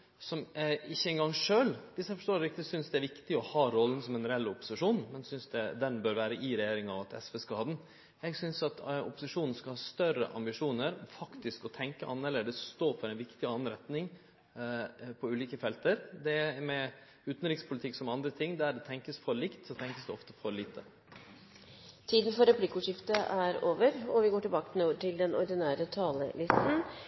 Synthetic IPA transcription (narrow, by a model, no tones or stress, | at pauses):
sɔmɪçːəɛŋɡɑŋʂøːlʋɪsɛɪfɔʂʈ̪oːɾlɾɪk̚t̪ɪsʏnsd̪ɛæɾʋɪkt̪ɪɔhɑːɾɔlːənsɔmɛnɾɛɛlːʊpːʊ̥sɪʂuːnmɛnsʏnsd̪ɛd̪ɛnbœːɾʋæːɾəʔɪɾɛjeːɾɪŋɑʋɑt̪ɛ̰sfɛskɑːd̪n̩ | jɛɪɡsʏnsɑt̪ʊ̰pːʊsɪʂuːnn̩skɑlhɑːst̪œɾə̰ʔɑ̰mbɪʂuːnəɾɔfɑkt̪ɪskɔt̪ʰɛŋkəʔɑnːəɾɭeːd̪əsɔst̪oːfɔɾɛɪnʋɪkt̪ɪɑnn̩ɾɛt̪nɪŋ | pʰɔʉːliːkəfɛlt̪əɾd̪ɛmɛ | ʉːt̪n̩ɾɪkspʰʊlɪt̪ʰɪkːsɔmɑnd̪ɾət̪ʰɪŋːd̪æɖɛt̪ʰɛŋkəsfɔɭɪkt̪sɔt̪ʰɛŋkəsd̪ɛɔft̪əfɔɾɭiːt̪ʰə | t̪ʰiːd̪n̩fɔɾɛpʰlɪkːʊʂɪft̪əʔæɾoːʋəɾɔʋɪɡoːʈɪbɑːkənuʈʰɪld̪ɛnɔɾɖ̪ɪnæːɾət̪ʰɑːlə̰lɪst̪n̩